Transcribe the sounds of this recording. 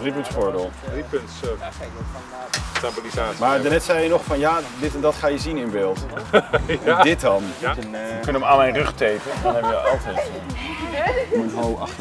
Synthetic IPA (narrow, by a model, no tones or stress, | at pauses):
ripəntsfʊːɹdɪlˠripənts | stabilizaːmaːɹdənɛtsɛjənɔχfɑnjaːdɪtɛndɑtχaːjəzinɪnbɪːlˠt | dɪt̚dɑnəkənəmaːnmɛjnrɵχtejpədɔnhɛbəjəʔɑlˠtɛ | unɦoɑ